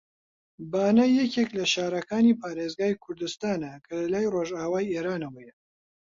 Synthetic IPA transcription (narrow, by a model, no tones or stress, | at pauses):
baːnɐjɛkeklɐʃaːɾɐkaːniːpʰaːɾeːzɡaːjkʰʊɾd̪ɨst̪aːnɐkʰɐlɐlaːjroʒaːwaːjeːɾaːnɐwɐjɛ